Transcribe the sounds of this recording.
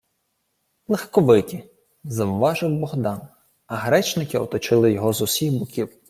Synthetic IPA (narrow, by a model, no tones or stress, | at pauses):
lˠexkɔʋɪtʲi | zɐʊʋɑʒɪwbɔɦd̪ɑn | ɐɦɾɛt͡ʃnɪkɪɔt̪ɔt͡ʃɪlˠɪjɔɦɔzʊsʲixbʊkʲiw